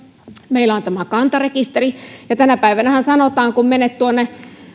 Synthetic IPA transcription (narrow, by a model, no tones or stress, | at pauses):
meilːˑæont̪æmækɑnt̪ɑrekist̪erijɑt̪ænæpæiʋænæhænsɑnot̪ɑːŋkummenet̪t̪uonːe